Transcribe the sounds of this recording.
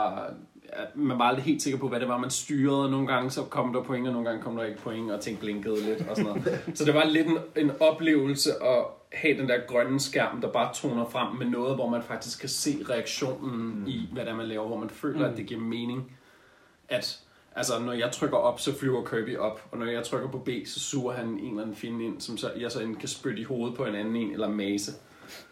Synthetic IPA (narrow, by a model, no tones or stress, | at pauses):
mænʋɑ̈ɑld̥ʁiɦe̝̰ːld̥se̝ɡ̥ɐpʰɒ̽ʋæɾe̝ʋɑ̈mænsd̥yːɐð̩ˠno̝ːn̩ɡ̥ɑ̈ŋəsɒ̽kʰɒ̽m̰d̥ɑ̈pʰɔ̽eŋɐno̝ːn̩ɡɑ̈ŋəkʰɒ̽md̥ɑeɡ̥ə̥pʰɔ̽eŋɒ̽t͡sʰeŋ̰ɡ̥̚b̥leŋɡ̥əð̞ˠle̝d̥ɒ̽sɔnɔð̩ˠsɒ̽d̥e̝ʋɑ̈le̝d̥ene̝nɒ̽b̥le̝̰ːʊl̩səʔɒ̽ | hɛ̰d̥end̥eɐɡ̥ʁɶnəsɡ̥æɐ̰md̥ɑ̈b̥ɑ̈ːt͡sʰo̝̰ːnɐfʁam̰menɔ̽ːð̩ˠʋɒmænfɑ̈ɡ̥̚d̥isɡ̥kʰːæse̝̰ːʁɛæɡ̥ɕo̝̰ːnn̩iʋæɾ̥æmænlɛːʊɐʋɒmænfø̰ːlɐæd̥e̝ɡ̥iɐ̰me̝ːne̝ŋ | ʔæd̥ | ʔælsɐnɒjɑ̈ɪt͡sʰʁœɡ̥ɐʔɒ̽b̥sɒ̽flyʊ̰ɐkʰøːb̥iʔɒ̽b̥ɒ̽nɒjɑ̈ɪt͡sʰʁœɡ̥ɐpʰɒ̽b̥e̝̰ːsɒ̽suːɐɦæne̝̰nlæn̩fine̝̰nsɒ̽msɒjäɪsɒ̽ekʰæsb̥ød̥iho̝ːð̞̩ˠpʰɒ̽e̝næn̩e̝̰nelɐmɛːsə